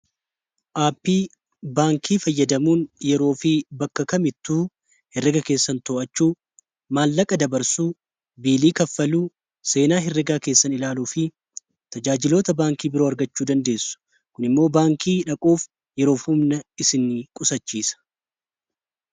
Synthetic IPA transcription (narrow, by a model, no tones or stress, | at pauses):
ʔaːpːiː | baːŋkʰiːfɐjːɐd̪ɐmuːnjɛɾo̞ːfɪbɐkːɐkɐmɪt̪ːuː | hɛrːɛɡɐke̞ːsːɐnt̪oːʔɐt͡ʃːuː | maːlːɐkʼɐd̪ɐbɐɾsuː | biːliːkɐfːɐluː | se̞ːnaːɦɪrːɛɡaːke̞ːsːɐnɪlaːluːfɪ | t̪ɐd͡ʒaːd͡ʒɪlo̞ːt̪ɐbaːŋkiːbɪɾoːɐɾɡɐt͡ʃːuːd̪ɐnd̪e̞ːsːʊ̥ | kʊnɪmːo̞ːbaːŋkʰiːᶑɐkʼuːf | jɛɾo̞ːfʊmnɐɪsɪnɪkʼʊsɐt͡ʃːiːsɐ̥